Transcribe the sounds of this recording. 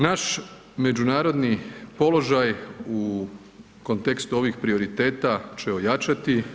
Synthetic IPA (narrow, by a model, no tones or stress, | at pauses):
naʃ | me̞d͡ʒunaːɾo̞d̪nipo̞lˠo̞ʒaju | ko̞nt̪e̞kst̪uo̞ʋixpɾio̞ɾit̪e̞ːt̪at͡ʃe̞ojat͡ʃat̪i